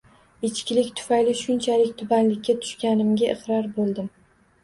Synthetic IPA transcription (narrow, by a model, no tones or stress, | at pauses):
ɪt͡ʃkʲɪlɪkʲt̪ʰʊ̥fajlɪʃʊnt͡ʃʰalɪk̚ʲt̪ʰʊbanlɪkʲːat̪ʰʊ̥ʃkʲanɪmɡʲaʔɪqɾɒɾbolˠd̪ɪm